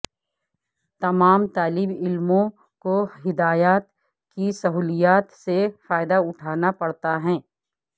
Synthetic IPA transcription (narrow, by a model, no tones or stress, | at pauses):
t̪ɐmaːmt̪aːlibɪlmõ | koɦɪd̪aːjaːt̪ | kisɐɦuːlijaːt̪sefaːɪd̪aʊʈʰaːnapɐɽt̪aɦɛ̃ː